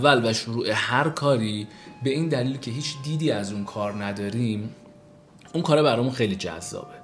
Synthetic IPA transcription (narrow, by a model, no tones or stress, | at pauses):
ælvæʃoɾuːʔe̞hæɾkʰɒːɾiːbe̞iːnd̪æliːlcʰe̞ɦiːt͡ʃʰd̪iːd̪iːæzunkʰɒːɾnæd̪ɒːɾiːm | uŋkʰɒːɾebæɾɒːjmunxejlid͡ʒæ̰zːɒ̰ːbe